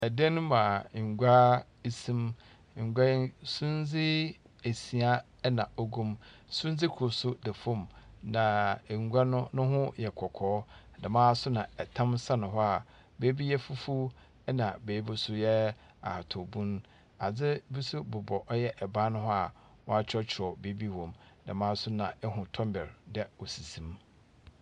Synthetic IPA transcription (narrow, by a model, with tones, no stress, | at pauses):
ɛ˨dɛ˦nʊ̃˦mã˨ŋ̩˨ɡʷa˦ | i˨sĩ˦m̩˨ | ɡʷa˦sũ˦n˦d͡zɪ˦ | e˨si˨a˦ | nã˨ɔ˦ɡũ˦msʊ̃˦n˦d͡zɪ˦kʰʊ˨sʊ˦dɛ˨fʊ̃˦˨mnã˨ŋ˨ɡʷa˦nʊ̃˦nʊ̃˦ɦʊ̃˦jɛ˨kʰɔ˨kʰɔː˨˦˨ | da˨mãː˦˨sʊ˦nã˨ɛ˨tʰã˦msa˦nʊ̃˨ɦɔ˦a˨ | beː˦bi˦jɛ˦fu˦fu˦ | ɛ˦nã˨be˨˦bʊ˦sʊ˦jɛ˦ | a̰˨ha˨tʰɔ˨bũ˦n˦ | a˨d͡zɪ˦bi˦su˦bʊ˨bɔ˨ʔɔ˦jɛ˦ʔɛ˨baː˦nʊ̃˦ɦɔ˦a˨ | wɔ˦a˦t͡ɕʰᶣɾɔ˦t͡ɕʰɪ˨ɾɔ˨be˦bi˦wɔ̃˨mdɛ̰˨mãː˦sʊ˦nã˨ɛ˦ɦʊ̃˨tʰɔ̃˦mbɛ˨ɾdɛ˦ɔ˨si˨sĩ˨m